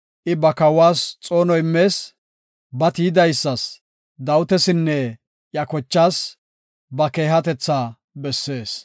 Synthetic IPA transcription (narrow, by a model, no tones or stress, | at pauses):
ʔɪbɐkɐwaːst͡sʼo̞ːnɔɪmːe̞ːs | bɐt̪iːɪd̪ɐjsːɐs | d̪ɐwʊt̪ɛsɪnːɛ | jɐkɔt͡ʃːaːs | bɐke̞ːɦɐt̪ɛt͡sːaː | bɛsːe̞ːs